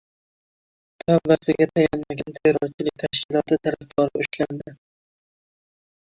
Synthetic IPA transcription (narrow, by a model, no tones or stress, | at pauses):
t̪ʰambasɪɡʲat̪ʰajanmaɡʲant̪ʰeɾɒwt͡ʃʰɪlɪk̚ʲt̪ʰaʃkʲʰɪlˠɒt̪ɪt̪ʰaɾafd̪ɒɾɪʊʃland̪ɪ